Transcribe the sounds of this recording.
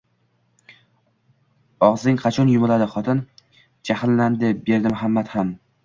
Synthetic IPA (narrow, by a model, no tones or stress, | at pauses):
ɒʁzɪŋqʰɑt͡ʃʰɒnjʊmʊlad̪ɪχɒt̪ʰɪn | d͡ʒahɪlːand̪ɪbe̞ɾd̪ɪmʊɦamːat̪ham